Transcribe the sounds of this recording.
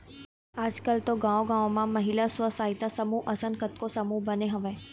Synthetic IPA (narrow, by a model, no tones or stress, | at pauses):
aːd͡ʒkəlt̪oɡãːoɡãːõmãmɐɦilasʊʋəsaːɦɪt̪asɐmuʔɐsə̃nkət̪kosɐmubɐneɦɐʋẽː